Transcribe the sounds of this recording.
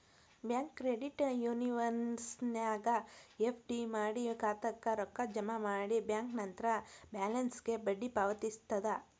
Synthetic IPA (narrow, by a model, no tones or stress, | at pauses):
bjaːŋkːɾeɖiʈjuːniʋɐnsnjaːɡɐepʰɖimaːɽikaːt̪ɐkːɐɾɔkːɐd͡ʒɐmɐmaːɽibjaːŋknɐnt̪ɐɾɐbjaːlɐnsɡe̞bɐɖːipaːʋɐt̪ist̪ɐd̪ɐ